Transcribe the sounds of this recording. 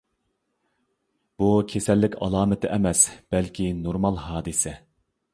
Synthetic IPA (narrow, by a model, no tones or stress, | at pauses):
b̥ukʲʰesɛlːɪkʲʰɑ̰lˠɑːmɪt̪ʰɪʔɛmɛsb̥ɛlkʲʰinoɾmɑlˠɦɑːd̪ɨsɛ